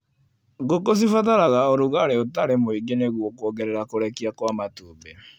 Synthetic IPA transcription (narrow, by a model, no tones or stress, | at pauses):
ɡokos̬ifataɾaɣaoɾuɣaɾeotaɾemoiɡeneɣwɔkwɔɣɛɾɛɾakoɾɛkiakwamatubɛ